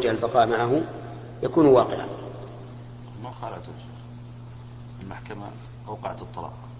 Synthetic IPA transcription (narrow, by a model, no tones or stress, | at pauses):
d͡ʒahalbɑqɑːʔmaʕaɦʊ | jakuːnwɑːqɪʕa̰ | maxaːla̰ʔt̪ʊʃ | ɪlmaħkama̰ | ʔawqɑ̰ʕat̪ɨt̪ˤːɑlɑ̰ːq